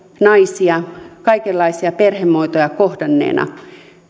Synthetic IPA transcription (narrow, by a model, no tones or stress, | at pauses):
nɑisiɑkɑikelːɑisiɑperhemːoit̪ojɑkohdɑnːḛːnʔɑ̰